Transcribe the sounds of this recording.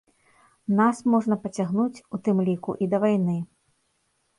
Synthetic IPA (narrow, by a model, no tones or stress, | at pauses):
nasmɔʐnɐpɐt͡sʲaɣnut͡sʲut̪ɨmlʲikṵʔid̪ɐvajnɨ